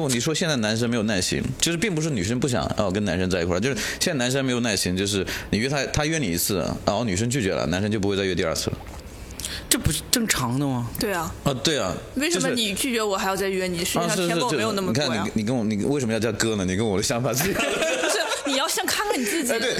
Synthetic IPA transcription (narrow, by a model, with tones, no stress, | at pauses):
wɔ˥˩ni˨˩ʂwɔ˥ɕjɛ˥˧nt͡sa˥˩na˧˥nʂ̬ə˥nme˧˥jo˨˩na˥˩ɪɕḭ˧˥ŋt͡ɕjʂɻ̩˥˩pi˥˩ŋpu˧˥ʂ̬ɻ̩˥˩ny˨˩ʂ̬ə˥npu˥˩ɕ̬jɑ̰˨˩ŋjɑ̰˥˩ʊk̬ə˥na˧˥nʂə˥nt͡sa˥˩ɪi˧˥kʰwa˥˧˩t͡ɕo˥˧ʂɕjɛ˥˧t͡sna˧˥nʂ̬ə˥me˧˥ɪjo˨˩ʊna˥˩ɪɕi˧˥ŋt͡ɕjo˧ʊʂ̬ɻ̩˥˩ni˨˩ɥɛ˥t̪ʰa˥t̪ʰa˥ɥɛ˥ni˨˩i˧˥t͡sʰɹ̩˥˩ɐ̰˩˧˥ny˨˩ʂ̬ə˥ŋt͡ɕy˥˩t͡ɕɥɛ̰˧˥lə̰˨na˧˥nʂə˥nt͡ɕo˥˧ʊpu˧˥˧t͡sɥɛ˧t̪i˥˧˥a̰˞˥˧t͡sʰɹ̩̰˥˩ | ʈ͡ʂɤ˥˩pu˧˥ʂ̩˥˩ʈ͡ʂɤ˥˩ŋʈ͡ʂʰɑ˧˥ŋd̪ə˧mɐ˨t̪we˥˩ɪɐ˩ə˧˩t̪we˥˩ɪɐ̰˩we˥˩ɪʂə˥˧ʊʂmə˥ni˨˩t͡ɕy˥˩t͡ɕɥɛ˧˥˧wɔ˨˩xa˧ɪjɑ˥˧t͡sa˥˧ɪɥɛ˥˩ni˨˩ʂ̩˥˧˥ʂɻ̩˥˧ʂɻ̩˥˧˥jjo˨˩n˥˧m˧˨kʰa˥˩n˧ni˨˥ni˨˩kə˥nwɔ˧˩ni˨˩we˥˩ʂmə˧jt͡ɕjɑ˥˧˩kɤ˥nə˨˩ni˨˩kə˥nwɔ˨˩d̪ə˦ɕjɑ˧˥ŋfa˨˩˦t͡sɹ̩˥˩i˨˩˥ʂɻ̩˥˩ni˨˩jɑ˥˧ʊɕjɑ˥˩ŋkʰa˥nkʰa˥˩ni˨˩t͡sɹ̩˥˩t͡ɕi˧˩e˥˩